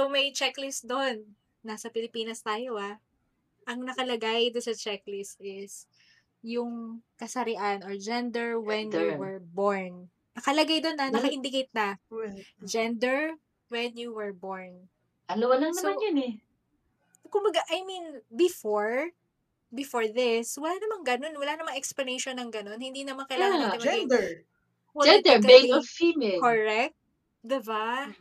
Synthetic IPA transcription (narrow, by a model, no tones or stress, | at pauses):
somɐjt͡ʃɛklɪsd̪o̞nː | asɐpɪlɪpiːnɐst̪aːjoʔa | ʔɐŋnɐkɐlɐɡajd̪onsɐt͡ʃɛklɪsʔɪs | jʊŋkɐsɐɾɪʔanoɹd͡ʒɛnd̪ɛɹwɛnjuwɛɹboɹn | nɐkɐlɐɡajd̪onːɐnɐkɐʔɪnd̪ɪkejt̪̚nɐ | d͡ʒɛnd̪ɛɹ | wɛnjuwɛɹboɹn | ʔɐnoɐlɐŋnɐoanjonɛ | kʊmbɐɡaʔɐjminbɪfoɹ | bɪfoɹðɪswɐlanɐmɐŋɡɐno̞nwɐlanɐmɐŋʔɛksplɐnejʃonːɐŋɡɐno̞nhɪnd̪inɐmankɐjlaːŋɐɐɐmɛɛ | wɐɛad̪ɛkɐeɔfimɛkoɹɛk̚t̪̚ | d̪ɪba